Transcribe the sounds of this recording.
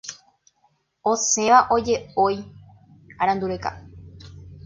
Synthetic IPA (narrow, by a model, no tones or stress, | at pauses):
osẽ̞ʋaʔo̞d͡ʒe̞oj | aɾãnd̪uɾeka̰